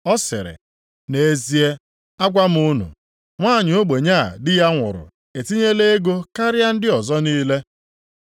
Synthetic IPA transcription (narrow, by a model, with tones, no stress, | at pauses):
ɔ˦sɪ̰˨ɾɪ̰˨ | ne˨e˨zi˨e˦ | a˦ɡʷa˦m̩˦ʊ˦nṵ˨ | ŋʷaː˦˨ɲʊ˨o˦ɡ͡be˨ɲa˦˨dɪ˦ja˦ŋʷʊ̰˨ɾʊ̰˨ | e˨ti˦ɲe˦le˦e˦ɡo˦ka˦ɾɪ˦a˦n̩˦dɪ˦ɔ˨zɔ˦niː˦le˦